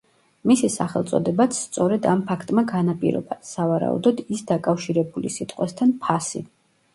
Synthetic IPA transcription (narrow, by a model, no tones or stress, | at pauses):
misisaχɛlˠt̪sʼɔ̰d̪ɛbat̪sʰst̪sʼɔɾɛd̪ampʰakʰt̪ʼmaɡanapʼiɾɔ̰basavaɾa̰ṵd̪ɔd̪isd̪akʼafʃiɾɛbulḭsit̪ʼqʼwɛst̪ʰanpʰasḭ